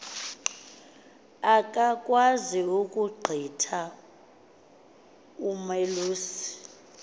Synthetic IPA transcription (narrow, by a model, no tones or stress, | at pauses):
ak̬ʼakʼwaziukʼuɡ͡ǃʱitʰa | umeluːsi̥